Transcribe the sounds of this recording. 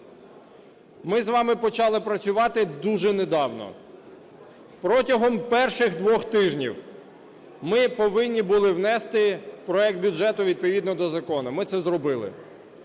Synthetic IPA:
mɪzʋɑmɪpɔt͡ʃɑlˠɪpɾɐt͡sʲʊʋɑt̪ɪd̪uʒɛned̪ɑwnɔ̰ | pɾɔtʲɐɦɔmpɛrʃɪɣd̪ʋɔxt̪ɪʒnʲḭw | mɪpɔʋɪnʲːibʊlˠɪwnɛst̪ɪpɾɔɛk̚t̪̚bʲʊʒɛt̪ʊʋʲid̪̚pɔʋʲid̪nɔd̪ɔzɐkɔnʊmɪt̪sɛzɾɔbɪlˠɪ̰

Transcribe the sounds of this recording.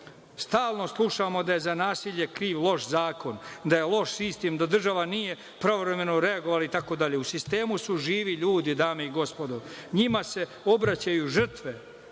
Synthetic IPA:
st̪aːlˠno̞slˠuʃamo̞d̪aje̞zanaːsiʎe̞kɾiːʋlˠo̞ʃzaːko̞nd̪aje̞lˠo̞ʃsist̪emd̪ad̪r̩ʒaʋanije̞ | pɾaovɾe̞me̞noɾe̞aɡoʋalait̪ako̞d̪aʎe̞usist̪e̞ːmusuʒiːʋiʎuːd̪id̪aːmeiɡo̞spo̞d̪oɲimase̞ | o̞bɾat͡ɕajuʒr̩t̪ʋe

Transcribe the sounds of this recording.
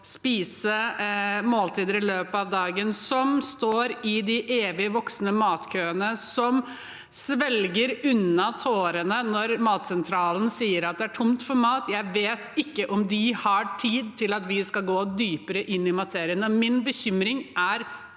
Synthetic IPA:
spiːsə | moːlt̪ʰiːd̪əɾɪløːpəɑʋd̪ɑːɡənsɔmst̪oːɾɪd̪ɪʔeːʋɪəʋɔksnəmɑːt̪kʰøːənəsɔm | sʋɛlɡəɾʉnːɑt̪ʰoːɾənənɔɾmɑːt̪sɛnt̪ʰɾɑːln̩siːəɾɑt̪̚d̪ɛæʈʰʊmt̪fɔɾmɑːt̪jæɪʋeːt̪ɪkːəʔɔmd̪ɪhɑʈʰiːd̪̚t̪ʰɪlɑt̪ʋɪskɑlɡoːd̪yːpəɾəʔɪnːɪmɑt̪ʰeːɾɪənɔmɪnbəçʏmɾɪŋʔæɾ

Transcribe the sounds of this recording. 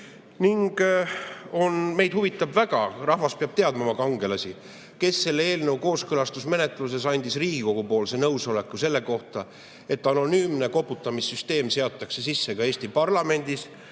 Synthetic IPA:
niŋɡ̥ | o̞nme̞jd̪̥huvit̪ːˑɑbvæɡ̥ɑrɑhvɑspeɑb̥̚t̪e̞ɑd̪̥mɑmɑkɑŋɡe̞lɑsʲi | ke̞sːe̞lːee̞ːlnɤwko̞ːskɤlɑst̪usme̞net̪ˑluse̞sɑnʲd̪isriːɡiko̞ɡ̥upo̞ːlse̞nɤwso̞le̞kːˑuse̞lːe̞ko̞ht̪ɑ | e̞t̪ːˑɑno̞nyːmneko̞pːˑut̪ːˑɑmisːyst̪e̞ːmse̞ɑt̪ˑːɑkse̞sisːe̞kɑe̞ːsʲt̪ipɑrlɑme̞nʲd̪̥is

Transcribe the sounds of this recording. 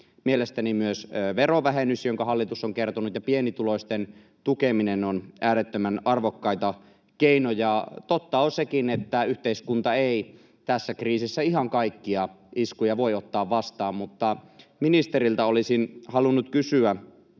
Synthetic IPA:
mielest̪ænimyøsʋeroʋæɦenysjoŋkɑɦɑlːit̪usːoŋkert̪onut̪jɑpienit̪uloist̪en | t̪ukeminenonʔæːɾet̪ːømænɑrʋokːɑit̪ɑ | keinojɑt̪ot̪ːɑosekinet̪ːæyht̪eiskunt̪ɑei | t̪æsːækriːsisːæiɦɑŋkɑikːiɑ | iskujɑʋo̞iot̪ːɑːʋʋɑst̪ɑːmmut̪ːɑminist̪eɾilt̪ɑolisinhɑlunːut̪kysyæ

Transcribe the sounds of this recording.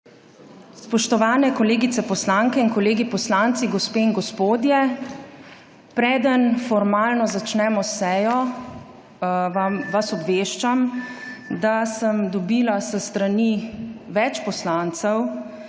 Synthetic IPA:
sspɔʃt̪ɔʋaːnɛkɔleːɡit̪sɛpɔslaŋkɛinkɔleːɡipɔslant̪siɡɔspeːinɡɔspoːd̪jɛ | pɾɛːd̪ənfɔɾmaːlnɔzat͡ʃnɛmɔsɛːjɔ | amʋasɔbʋeːʃt͡ʃam | d̪asəmd̪ɔbiːlasəst̪ɾaniʋɛt͡ʃpɔslant̪sɛw

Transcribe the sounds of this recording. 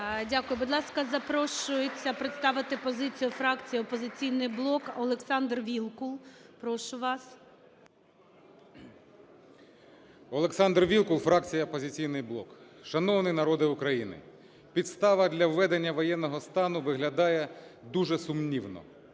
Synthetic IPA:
dʲakʊjʊbʊd̪lˠɑskɐzɐpɾɔʃʊjɪt͡sʲːɐpɾɪt̪st̪ɑʋɪt̪ɪpɔzɪt͡sʲijʊfɾɑkt͡sʲijiɔpɔzɪt͡sʲijnɪjblˠɔkɔlˠeksɑnd̪rʋʲilˠkʊlˠpɾɔʃʊʋɑs | ɔlˠeksɑnd̪rʋʲilˠkʊlˠfɾɑk̚t͡sʲijɐɔpɔzʲɪt͡sʲijnɪjblˠɔkʃɐnɔʋnɪjnɐɾɔd̪ɪʊkɾɐjinɪ̰ | pʲid̪st̪ɑʋɐd̪ʲlʲɐwːɛd̪enʲːɐʋɔjɛnːɔɦɔst̪ɑnʊʋɪɦlʲɐd̪ɑjɛd̪uʒɛsʊmnʲiwnɔ̰

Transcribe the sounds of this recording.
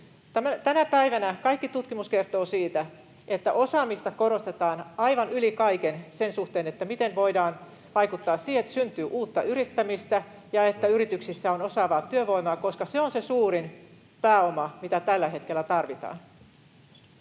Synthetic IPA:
t̪ææt̪ænæpæiʋænækɑikːit̪ut̪kimuske̞rt̪o̞ːsiːt̪æ | et̪ːæ̰ʔo̞sɑːmist̪ɑkoɾost̪e̞t̪ɑːnɑjʋɑnylikɑjkense̞nsuht̪eːnet̪ːæmit̪enʋo̞jdɑːn | ʋɑjkut̪ːɑːssiːhet̪ːsynt̪yːʔuːt̪ːɑʔyɾit̪ːæmist̪æ | jɑe̞t̪ːæyɾit̪yksisːæo̞nosɑʋɑːt̪yøʋo̞imɑːko̞skɑseonsesuːɾin | pæːomɑmit̪æt̪ælːæɦe̞t̪kelːæt̪ɑrʋit̪ɑ̰ːn

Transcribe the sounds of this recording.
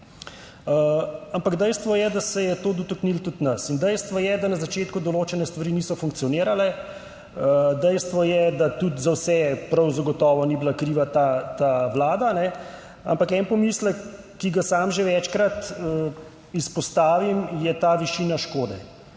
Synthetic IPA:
əampaɡd̪ɛjst̪ʋɔjɛd̪asɛjɛt̪oːd̪ɔt̪ɔknilt̪ut̪nɐsind̪ɛjst̪ʋɔjɛd̪anazat͡ʃeːt̪kud̪ɔloːt͡ʃɛnɛst̪ʋaɾiːniːsɔfuŋkt̪sijɔniːɾalɛ | əd̪ɛjst̪ʋɔjɛd̪at̪ut̪zawsɛpɾɐwzaɡɔt̪ɔːʋɔnibilakɾiːʋat̪at̪aʋlaːd̪anɛ | a̰mpakɛnpɔmisləkː | iɡasaːmʒeʋɛt͡ʃkɾat̪ə | ispɔst̪aːʋimjɛt̪aːʋiʃinaʃkoːd̪ɛ̰

